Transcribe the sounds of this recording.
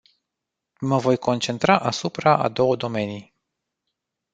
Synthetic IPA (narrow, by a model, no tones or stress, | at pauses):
məvo̞jko̞nt͡ʃe̞nt̪ɾaʔasupɾaʔa̰d̪o̞wəd̪o̞me̞nij